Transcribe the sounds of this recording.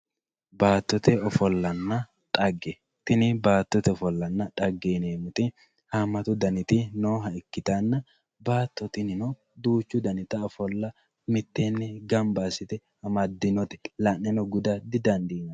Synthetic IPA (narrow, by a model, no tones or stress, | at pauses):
baːt̪ːɔt̪ɛɔfɔlːɐnːɐ | t̪ʼɐɡːɛ | t̪ɪnɪbaːt̪ːɔt̪ɛɔfɔlːɐnːɐᶑɐɡːeːneːmʊt̪ʼɪ | hamːɐt̪ʊd̪ɐnɪt̪ɪnoːɦɐɪkːɪt̪anːɐ | baːt̪ːɔt̪ɪnɪnɔ | d̪uːt͡ʃːʊd̪ɐnɪt̪ɐɔfɔlːɐ | mɪt̪ːenːɛɡɐmbaːsɪt̪ɛ | hɐmɐd̪ɪnɔt̪ɛ̥lɐnːɛnɔɡʊd̪ɐd̪ɪd̪ɐnd̪iːnɐ